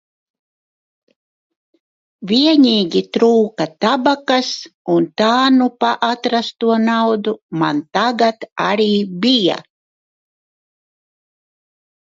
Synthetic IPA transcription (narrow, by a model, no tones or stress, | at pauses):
vʲiɛniːɡʲit̪ɾuːkat̪abakasunt̪aːnupaʔat̪ɾast̪uɔnawd̪umant̪aɡat̪a̰ɾiːbija̰